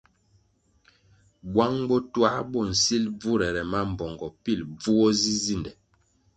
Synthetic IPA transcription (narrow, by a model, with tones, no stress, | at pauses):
bwa˦ŋbɔ˦twa˦bɔ˦˨n̩˨si˦lb͡vu˦ɾɛ˨ɾɛ˨ma˦m̩˨bɔ˨ŋɡɔ˨pi˦˨lb͡vu˦wɔ˦zi˦zi˦˨ndɛ˨